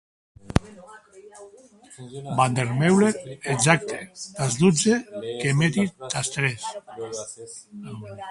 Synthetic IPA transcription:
band̪eɾmewleɾeɡzak̚t̪ʰe̥t̪azd̪ud͡zekemet̪it̪ast̪ɾes

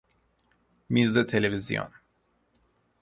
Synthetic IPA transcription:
miːzet̪ʰelevizijo̰n

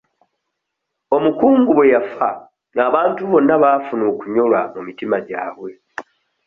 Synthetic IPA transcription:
o̞mukuːŋɡuβwe̞jafa | ŋaːβaːntuβo̞nːaβaːfunuːkuɲo̞lwamumitimaɟa̰ːβwe̞

